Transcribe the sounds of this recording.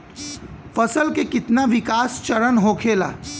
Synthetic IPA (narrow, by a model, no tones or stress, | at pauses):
fɐsəlkekɪt̪naʋɪkaːst͡ʃɐɾənɦoːkʰeːla̰ː